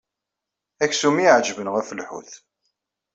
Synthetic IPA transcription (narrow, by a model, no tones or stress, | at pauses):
æçsumiʕd͡ʒvənʁæfəlħṵθ